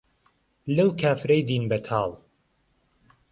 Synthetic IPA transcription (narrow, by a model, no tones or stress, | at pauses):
lɐwkʰaːfɾɐjd̪iːnbɐt̪ʰɑːlˠ